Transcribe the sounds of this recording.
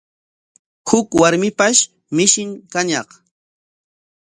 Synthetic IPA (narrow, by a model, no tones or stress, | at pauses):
hʊkwaɾmɪpaʃ | mɪʃɪŋkaɲɑχ